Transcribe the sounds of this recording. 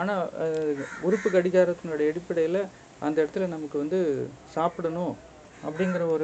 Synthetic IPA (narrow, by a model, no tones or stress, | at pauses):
aːnaː | ʊɾʊpːɯkɐɽɪɣaːɾɐt̪ːɯnʊɾɽɐɛɽɪpːɐɽɐjɪlɐ | ɐnd̪ɐɪɽɐt̪ːɯlɐnɐmɐkːɯʋɐnd̪ɯsaːpɯɽɐnʊ̃ | ɐpːɐɽɪŋɡɪɾɐɔɾɯ